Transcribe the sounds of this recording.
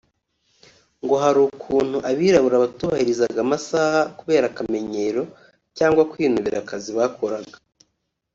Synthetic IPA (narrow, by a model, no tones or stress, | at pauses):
ŋɡo̞ɦaɾuːkʰuːn̥huʔaβiːɾaβuɾaβatuːβahiɾizaɡamasaːhakuβe̞ːɾakame̞ɲe̞ɾo̞ | caːŋɡwakwiːnuβiɾakaziβaːkʰoɾaɡḁ